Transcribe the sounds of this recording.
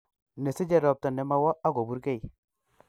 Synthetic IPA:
ne˨si˦d͡ʒe˦˨ɾɔ˨p̚ta˨ne˨ma˦wɔ˦ʔa˦ɡo˨bu˦ɾke˦˨j

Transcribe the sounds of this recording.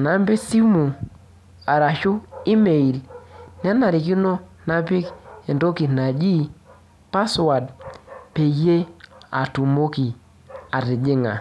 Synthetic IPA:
na˨˦mbe˦si˦mu˨ | a˨ɾa˨ʃu˦i˦me˨i˨lnɛ˦na˨ɾi˨k̬i˦no˦na˦pɪ˦kɛ˨ndo˦ki˨na˨d͡ʒi˦ | pa˦swa˨d̚pe˨je˦a̰˨tu˨mo˦ki˨ | a˨ɾɪ˨d͡ʒɪ˦ŋa̰˨

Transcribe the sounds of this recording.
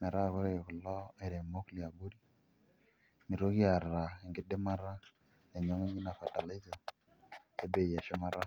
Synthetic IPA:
me˨ɾa˦˨ko˦ɾe˦e˨kʊ˨lɔ˦e˨ɾe˨mo˦kli˨a˨bu˦di˦ | ni˨ɾo˦ki˦a˨ɾɾa˨e˨ŋɡɪ˦de˦ma˦ɾa˦ | ne˨ɲo˦ŋe˦ɲi˦na˨fa˨ta˨la˦i˦zo˨ | e˦be˨ja˨ʃe˦ma˦ɾa˦

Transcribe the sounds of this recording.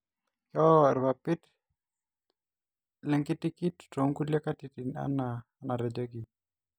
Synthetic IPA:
jɔ˦ɛ˨ɾba˨pɪ˦t | lɛ˦ŋkɪ˦tɪ˦ki˦tto˨ŋku˦le˦ka˦ti˨ti˨na̰˦na˨ | na˨ɾɛ˨d͡ʒa˦ɡi˨

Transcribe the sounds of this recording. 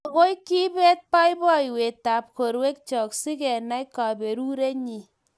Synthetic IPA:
a˨ɣo˦jki˦be˦t̚pa˦jbɔ˦jwe˨ta˨p̚ko˨ɾwe˦k̚t͡ʃɔ˨ksi˦kɛ˨na˦jka˨be˨ɾu˦ɾe˦ɲi˨

